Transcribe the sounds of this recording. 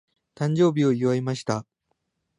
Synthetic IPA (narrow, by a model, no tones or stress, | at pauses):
t̪ãɲ̟d͡ʑo̞ːbʲio̞iβaemaɕi̥t̪a